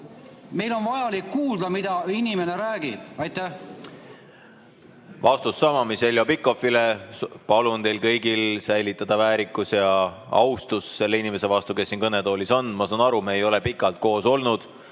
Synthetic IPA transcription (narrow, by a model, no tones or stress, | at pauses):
me̞jlo̞nvɑjɑlikːuːld̪ɑmid̪̥ɑinimeneɾæːɡid̪̥ɑjt̪æh | vɑst̪usːɑmɑmise̞ljopikːˑo̞filepɑlunt̪e̞jlkɤjɡilsæjlit̪ːˑɑd̪̥ɑvæːɾikːˑusjɑɑ̰wst̪usse̞lːe̞inime̞se̞vɑst̪uke̞sːinkɤnet̪o̞ːliso̞nmɑsɑːnɑɾumɑejo̞le̞pikːˑɑlt̪̚ko̞ːso̞lnud̪̥